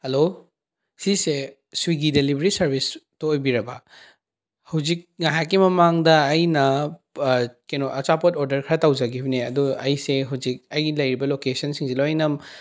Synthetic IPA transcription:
hɐlo | sise | suwiɡidelibɾisɐɾbistoːjbiɾɐbɐ̰ | hawzik̚ŋaɦak̬ːimɐmaŋdɐːjnɐ | kenoɐt͡ʃapotoɾdɐɾkʰɾɐtawzɐɡibneɐ̰duɐjseɦuwzik̚ɐjɡilɐjɾibɐlokesɐnsiŋsilojnɐm

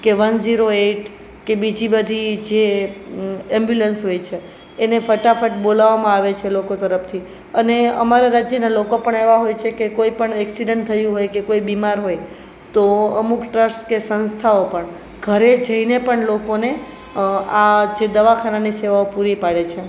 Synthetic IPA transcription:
keʋənziɾoeʈ | kebid͡ʒibəd̪ʱid͡ʒe | ɛmbjulənsɦojt͡ʃʰeː | nefəʈafəʈbolaʋamãaʋet͡ʃʰelokot̪əɾəpt̪ʰi | əneəmaɾaɾad͡ʒjənalokopəɳeʋaɦojt͡ʃʰekekoipəɳɛksiɖəɳʈt̪ʰəjũɦojkekoibimaɾɦoj | t̪oəmukʈɾəsʈkesənst̪ʰaopəɳ | ɡʱəɾed͡ʒəinepəɳlokone | ad͡ʒed̪əʋakʰananiseʋaopuɾipaɽet͡ʃʰe

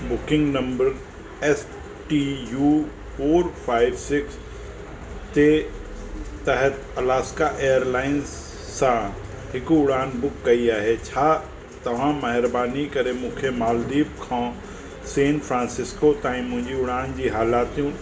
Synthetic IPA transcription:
bʊkɪ̃ŋɡnɐ̃mbəɾ | ɛs | ʈijuː | pʰoːɾpʰaːɪʋsɪks | t̪e | t̪ɛɦɛt̪ɐlaːskaʔeːjəɾlaːɪnzː | ã | ɦɪkʊɽaːnbʊkːɐiaːɦet͡ɕʰaː | t̪ɐʋ̤ãmɐɦɪɾbaːnikɐɾemũːkʰemaːld̪iːbkʰãː | seːnfʰɾãːnsɪskot̪ãːĩmʊ̃ɦɪ̃ɲd͡ʑiʊɽaːnd͡ʑiːɦaːlaːt̪ũ

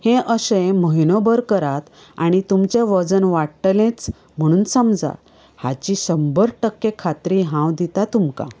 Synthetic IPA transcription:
hẽʔəsẽməɦinəbəɾkəɾat̪ | aɽ̃it̪umt͡ɕeʋəd͡zənʋaɽʈlẽt͡s | m̤əɽ̃uːnsəmd͡za̰ | hat͡ɕisəmbəɾʈəkːekʰat̪ɾiɦãwd̪it̪at̪umka̰

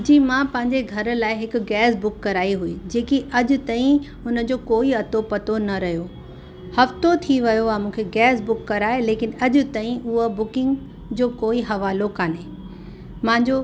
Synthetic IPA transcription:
ʊd͡ʑiːmãːpɐ̃ɦɪ̃ɲd͡ʑeɡʱɐɾ̆laːɪɦɪkʊ̆ɡɛːsbʊkːɐɾaːiɦʊid͡ʑeːkiʔɐʄʊ̆t̪aːĩ | ʊnəd͡ʑoːkoːiɐt̪opɐt̪onɐɾɐɦijo | hɐft̪ot̪ʰiʋɐjoaːmũːkʰeɡɛːsbʊkːɐɾaːɦeleːkɪnɐʄʊ̆t̪aːĩʔʊɦobʊkɪ̃ŋɡ | d͡ʑoːkoːiɦɐʋaːlokaːneː | mãɦɪ̃ɲd͡ʑoː

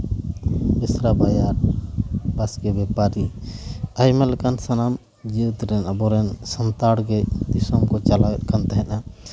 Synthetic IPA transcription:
bisɾabajaɾ | basɡɛbɛpaɾi | ajmɛlɛkansanam | d͡ʒit̪ɾɛnabɔɾɛnsɔnt̪aɽɡɛd̪isɔmkɔt͡ʃalat̚kant̪aɦɛʔa

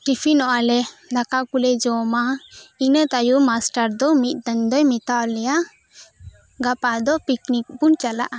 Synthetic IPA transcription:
ʈipʰinɔʔalɛnakakulɛd͡ʒɔmainət̪ajumasʈaɾd̪ɔmit̪̚ˀd̪ənd̪ɔjmit̪awlɛja | ɡapad̪ɔpiknik̚punt͡ʃala̰ʔa

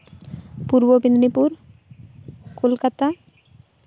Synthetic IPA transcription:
puɾbobind̪nipuɾ | kolkat̪a

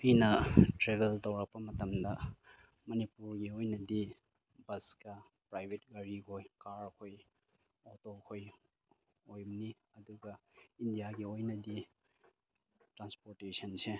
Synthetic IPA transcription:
pinɐtɾebeltɐwɾɐk̚pɐmɐtɐmdɐ | mɐnipuɾɡiojnɐdi | bɐskɐ | pɾajbʱet̚ɡɐɾikʰojkaɾkʰoj | otokʰoj | ojmni | ɐduɡɐindijaɡiojnɐdi | tɾanspoɾtesɐnse

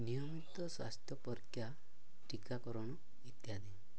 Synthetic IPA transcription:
nijɔmit̪ɔswa̰st̪jɔpɔɾkʰja | ʈikakɔɾɔɽ̃ɔ | it̪jad̪e

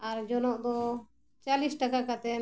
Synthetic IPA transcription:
aɾd͡ʒɔnɔʔd̪ɔ | t͡ʃalisʈakakat̪ɛ

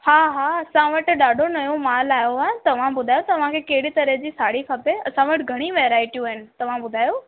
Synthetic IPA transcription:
haːɦaːɐsãʋɐʈ̆ɗaːɖʱonɐjõmaːlaːjoaːɪt̪ɐʋ̤ãbʊd̪ʱaːjot̪ɐʋ̤ãkʰeːkɐɦɪɽit̪ɐɾəɦd͡ʑiːsaːɽ̤ikʰapeɐ̰sãʋɐʈɡʱɐɽ̃iʋeːɾaːɪʈijũaːɦɪnɪ̆t̪ɐʋ̤ãbʊd̪ʱaːjo

